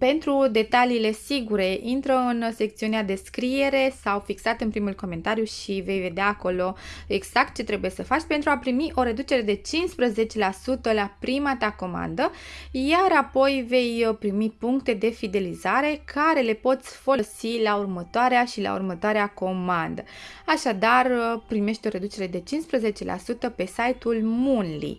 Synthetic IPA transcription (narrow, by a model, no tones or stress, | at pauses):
pe̞nt̪ɾud̪e̞t̪aliːle̞siɡuɾe̞ʔint̪ɾəɨnse̞k̚t̪siunead̪e̞skɾie̞ɾe̞sawfiksat̪ɨnpɾimulko̞me̞nt̪aɾjuʃive̞jve̞d̪eaːko̞lo̞e̞ɡz̥ak̚t̪̚t͡ʃe̞t̪ɾe̞buje̞səfat͡ʃʲpe̞nt̪ɾuapɾimiʔo̞ɾe̞d̪ut͡ʃe̞ɾe̞d̪e̞t͡ʃinspɾəze̞t͡ʃe̞lasut̪əlapɾimat̪ako̞ma̰nd̪əjaɾapo̞jve̞jpɾimipuŋkt̪e̞d̪e̞fid̪e̞lizaɾe̞kʰaɾe̞le̞po̞t̪sʲfələsilaurmət̪oaɾeaʃila̰ṵrmət̪oaɾeako̞mand̪ə̰aʃad̪arpɾime̞ʃt̪ʲo̞ɾe̞d̪ut͡ʃe̞ɾe̞d̪e̞t͡ʃinspɾəze̞t͡ʃe̞lʔa̰sut̪əpe̞sajt̪ulmunlḭ